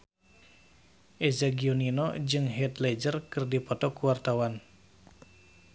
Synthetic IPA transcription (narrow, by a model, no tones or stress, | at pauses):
ʔezaɡioninɔd͡ʒɨŋɦɛt̪led͡ʒərkɨrdipɔt̪ɔkuwart̪awan